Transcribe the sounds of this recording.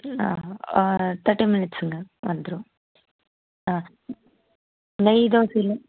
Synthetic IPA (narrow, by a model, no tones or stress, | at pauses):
a̰ | t̪ʰɐɾʈːiminɪʈsɨŋɡɐʋɐ̰nd̪ɾu | a | lɐjd̪oːsil